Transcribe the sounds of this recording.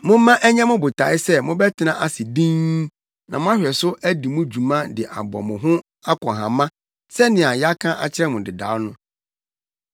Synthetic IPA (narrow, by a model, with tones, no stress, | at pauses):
mʊ̃˦mã˦ʔæ˦ɲã˦mʊ̃˦bʊ˨tʰa˨˦ɪ˦sɛ˦mʊ̃˦bɛ˦tʰɪ˨nã˦ʔa˦sɪ˨dĩ˦ŋ | nã̰˨mʊ̃˦a˦ɕᶣɛ˨sʊ˦ʔæ˦di˨mʊ̃˦d͡ʑu˨mã˦dɪ˨ʔa̰˨bɔ̰˨mʊ̃˨ɦʊ̃˦ | a˦kʰɔ̃˨ɦã̰˨mã˦ | sɛ˦nɪ̃˨a˨ja˦kʰã˦ʔa˨t͡ɕʰɪ˦ɾɛ˦mʊ̃˨dɪ˨da̰ː˨˦nʊ̃˦